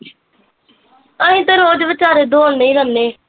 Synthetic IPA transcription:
əɦĩːt̪eɾoːd͡ʒʋət͡ʃaːɾeːd̪oːnnəĩːɡənːeː

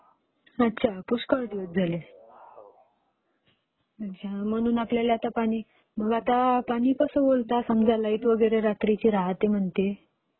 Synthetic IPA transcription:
ətːɕʰapuskəɾd̪iʋət̪̚d͡zʱale | ət͡ɕʰam̤əɽ̃uːnapljaljat̪apaɽ̃iː | bʱəɡat̪apaɽ̃iːkəsəbolt̪asəmd͡zʱalait̪ʋəɡəɾeɾat̪ɾit͡ɕiːɾaɦat̪em̤əɳt̪e

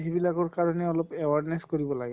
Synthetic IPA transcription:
ɦibilakoɹkaɹɔneɔlopewaɹneskoɾibɔlaɡɛ

